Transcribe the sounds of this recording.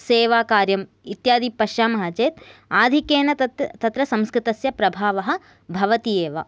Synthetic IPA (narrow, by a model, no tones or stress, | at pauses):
seːʋaːkaːɾjɐm | it̪jaːd̪ipɐʃjaːmɐɦɐt͡ʃeːt̪aːd̪ʱikeːnɐt̪ɐt̪t̪ɐt̪ɾɐsɐmskɾɪt̪ɐsjɐpɾɐbʱaːʋɐɦɐ̆ | bʱɐʋɐt̪ijeːʋa̰